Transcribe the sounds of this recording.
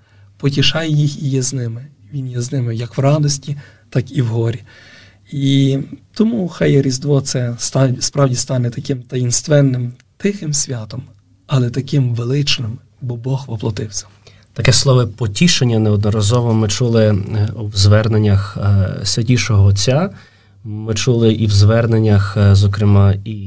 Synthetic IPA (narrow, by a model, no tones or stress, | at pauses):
pɔtʲiʃɑjejixijɛznɪmɪ | ʋʲinjɛznɪmɪjɐkʋrɑd̪ɔsʲtʲi | t̪ɑkiwɦɔɾʲi | it̪ɔmuxɑjɛɾʲizd̪ʋɔt̪sɛst̪ɑspɾɑwdʲist̪ɑnɛt̪ɐkɪmt̪ɐjinst̪ʋɛnːɪmt̪ɪxɪmsʲʋʲɑt̪ɔm | ɐlˠɛt̪ɐkɪmʋelˠɪt͡ʃnɪm | bɔbɔxʋɔplˠɔt̪ɪwsʲɐ̥ | t̪ɐkɛslˠɔʋɪpɔtʲiʃenʲːɐnɛɔd̪nɔɾɐzɔʋɔmɪt͡ʃulˠɪwzʋɛrnenʲːɐxsʲʋʲɐtʲiʃɔɦɔɔt͡sʲːa | mɪt͡ʃulˠɪʔiwzʋɛrnenʲːɐxzɔkɾɪmɑi